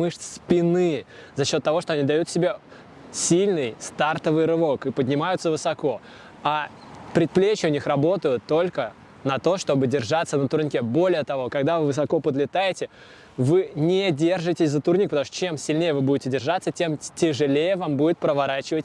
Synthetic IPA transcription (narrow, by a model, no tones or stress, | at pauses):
mɨʂspʲɪnɨzɐɕːo̞t̪ːɐvo̞ʂt̪o̞ɐnʲid̪ɐjut̪sʲɪbʲe | sʲilʲnɨjst̪art̪əvɨjɾɨvo̞kɨpədʲnʲɪmajʊt̪səvɨsɐko̞ | a | pɾʲɪt̪̚plʲet͡ɕɪʊnʲixɾɐbo̞t̪əjʊt̪ːo̞lʲkə | nɐt̪o̞ʂt̪o̞bɨdʲɪrʐat̪sːənət̪ʊrnʲkʲebo̞lʲɪjət̪ɐvo̞kɐɡd̪avɨvɨsɐko̞pəd̪lʲɪt̪ajɪtʲɪ | vɨnʲɪdʲe̞rʐɨtʲɪsʲzət̪urnʲik̚pət̪ɐmuʂt̪ot͡ɕe̞msʲɪlʲnʲejəvɨbudʲɪtʲɪdʲɪrʐat̪sːətʲe̞mtʲɪʐɨlʲejəvambudʲɪt̪̚pɾəvɐɾat͡ɕɪvətʲ